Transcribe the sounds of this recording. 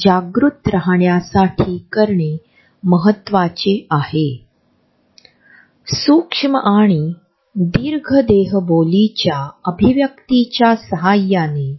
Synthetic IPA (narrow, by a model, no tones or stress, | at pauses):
d͡ʑaɡɾut̪ɾəɦɳjasaʈʰiːkəɾɳe | məɦət̪ːʋat͡ɕeahe | sukʂməʔaɽ̃i | d̪iɾɡʱəd̪eɦbolit͡ɕjaəbʱiʋjəkt̪it͡ɕjasəɦajːane